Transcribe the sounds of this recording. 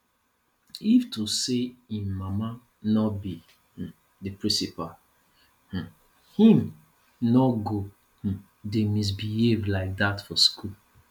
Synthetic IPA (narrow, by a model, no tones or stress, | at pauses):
iftuseĩnmama | nɔbi | h̩ | dəpɹĩsipal | h̩ | hĩm | nɔɡo | h̩ | demis̬bihevlaɪk̚d̪atfɔskul